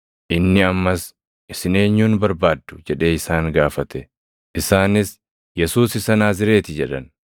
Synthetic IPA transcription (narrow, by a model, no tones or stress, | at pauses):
ʔɪnːɪɐmːɐs | ʔɪsɪne̞ːɲːuːnbɐɾbaːd̪ːʊ̥d͡ʒɛᶑe̞ːɪsaːŋɡaːfɐt̪ɛ | ʔɪsaːnɪs | jɛsuːsɪsɐnaːzɪɾe̞ːt̪ɪd͡ʒɛᶑɐn